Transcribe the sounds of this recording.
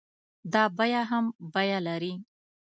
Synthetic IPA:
d̪ɑbajaɦambajalaɾi

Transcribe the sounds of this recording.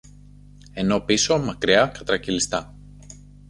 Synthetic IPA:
e̞no̞piso̞mɐkɾiɐkɐt̪ɾɐcilist̪ɐ

